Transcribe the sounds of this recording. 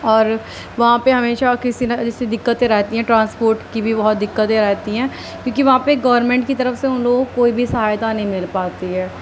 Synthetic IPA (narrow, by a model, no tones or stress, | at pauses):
ɔːɾ | ʋɐɦãpeɦɐmeːʃakɪsinad͡ʒɪsed̪ɪkːət̪ẽɾɛɦt̪iɦɛ̃ːʈɾãːnspoːɾʈkibʱibɐɦɔt̪̚d̪ɪkːət̪ẽɾɛːɦt̪iɦɛ̃ː | kjõːkiʋɐɦãpeɡɐːʋəɾnmɛ̃ːɳʈ̚kit̪ɐɾəfseʊnloːɡkoːibʱisɐɦaːjt̪anɐɦĩmɪlpaːt̪iɦɛː